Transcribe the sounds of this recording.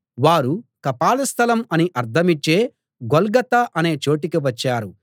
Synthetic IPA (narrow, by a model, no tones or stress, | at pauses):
ʋaːɾukɐpaːlɐst̪ʰɐlɐmɐniʔɐɾt̪ʰɐmit͡ʃːeː | ɡolɡɐt̪ɐʔɐne̞ːt͡ʃo̞ːʈikiʋɐt͡ʃːaːɾu